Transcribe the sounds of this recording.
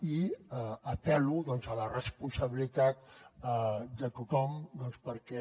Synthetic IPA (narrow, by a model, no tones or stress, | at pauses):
i | əpɛluðɔnzələrəspunsəβilit̪at̪̚əd̪ət̪ut̪ɔmd̪ɔnspəɾkɛ